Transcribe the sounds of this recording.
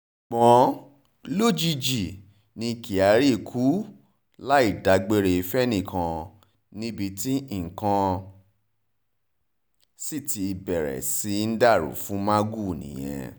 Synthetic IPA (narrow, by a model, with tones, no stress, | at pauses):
k͡pɔ̃˨˦ | lo˦˨d͡ʒi˧d͡ʒi˨ | nĩ˧ki˨a˨˦ɾi˦˨kʰu˦ | la˦i˦˨da˨˦ɡ͡be˦ɾe˧i˧fɛ˦nĩ˦˨kʰã˧ | nĩ˦bi˧ti˦˨ŋ̩˨kã˧ | si˦˨ti˧i˧bɛ˨ɾɛ̰˨si˨˧˦n̩˦da˦˨ɾṵ˨fũ˨˦mã˦ɡu˦˨nḭ̃˨j̃ɛ̰̃˧